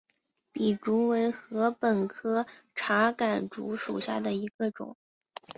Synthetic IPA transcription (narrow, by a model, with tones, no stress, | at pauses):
pi˨˩ʈ͡ʂu˧˥we˧˥ɪxɤ˧˥pə˨˩nkʰɤ˥ʈ͡ʂʰa˧˥ka˨˩nʈ͡ʂṵ˧˥ʂṵ˨˩ɕja̰˥˩d̪ə˩i˧˥ɡə˧ʈ͡ʂʊ̰˨˩˦ŋ